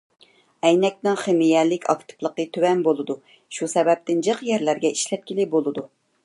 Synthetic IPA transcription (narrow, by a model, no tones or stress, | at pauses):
ɛjnɛk̚ʲnɨŋχemijɛlɪkʲʰɑ̰kt̪ʰɨ̥plˠəqət̪ʰøwɛnbolˠɨd̪u | ʃusɛbɛp̚t̪ɪnd͡ʒɨqjɛɾlæɾɡʲɛiʃlɛt̪̚kʲilɪbolˠɨd̪u